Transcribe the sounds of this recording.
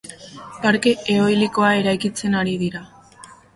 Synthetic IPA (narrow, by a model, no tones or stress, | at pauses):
paɾke̞ʔeo̞jliko̞ae̞ɾajkit͡se̞naɾiðiɾa